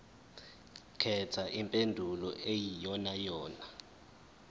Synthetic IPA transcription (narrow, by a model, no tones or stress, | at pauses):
kʰɛtʰaʔimpʼendʱulɔ̰ʔejijɔnajɔːna